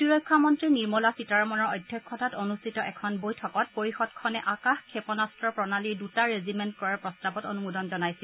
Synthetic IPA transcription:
tiɹɔjkʰːamɔntɹiniɹmɔlasitaɹɔmɔnɔɹɔjdʱjɔkʰːɔtatonustʰitɔʔɛkʰɔnbojtʰɔkɔt̚poɹixɔdkʰɔnɛʔakaxkʰepɔnastɹɔpɹɔnaliɹdutaɹezimɛntkɔɹapɹɔstabɔtonumudɔnzɔnajsil

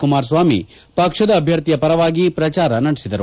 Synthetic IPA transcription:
kumaːɾs̬ʋaːmi | pɐkʂɐd̪ɐːbʱjɐɾt̪ijɐpɐɾɐʋaːɡipɾɐt͡ʃaːɾɐnɐɽesid̪ɐɾu

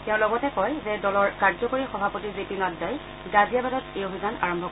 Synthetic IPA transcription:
tɛʊ̃lɔɡɔtɛkɔjzɛdɔlɔɹkaɹzɔkoɹixɔbʱapotizepinɔddaj | ɡazijabadɔtejobʱizana̰ɹɔmbʱɔ

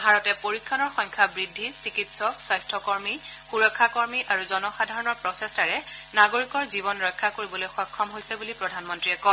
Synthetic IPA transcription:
bʱaɹɔtɛpoɹikʰːanɔɹxɔjŋkʰabɹidʱːisikitsɔkswajstʰɔkɔɹmixuɹɔkʰːakɔɹmiʔaɹuzɔnɔxadʱaɹɔnɔɹpɹɔsestaɹɛnaɡoɹikɔɹzibɔnɹɔjkʰːakoɹibɔlojxɔkʰːɔmɦojsɛbulipɹɔdʱanmɔntɹiɛkɔn

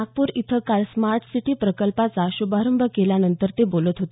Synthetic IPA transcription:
aɡ̚puːɾit̪ʰəkalsmaɾʈʰsiʈiːpɾəkəlpat͡saɕubaɾəmbʱəkeljanənt̪əɾt̪ebolət̪ɦot̪e

